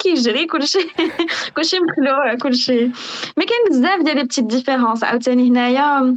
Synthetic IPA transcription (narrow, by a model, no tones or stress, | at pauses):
kiʒɾikʊlːʃikʊlːʃiməxlukʊlːʃimækænːəzd̪æfd̪jælib̚t̪id̪ifeɾɑ̃sʕa̰wt̪ænihnæja